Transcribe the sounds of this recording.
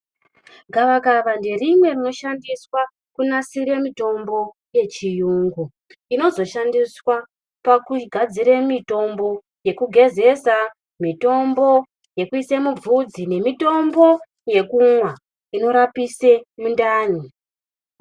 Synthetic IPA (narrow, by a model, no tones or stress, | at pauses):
ɡʱaʋakaʋande̞rimwe̞rino̞ʃandiswa | kunasiɾemito̞mbo̞ | je̞t͡ʃijuːŋɡu | ino̞zo̞ʃandiswa | pakuɡʱad͡ziɾemito̞mbo̞ | je̞kuɡʱe̞ze̞sa | mito̞mbo̞ | je̞kuisemub͡vud͡zine̞mito̞mbo̞ | je̞kumwa | ino̞ɾapise̞mundaːni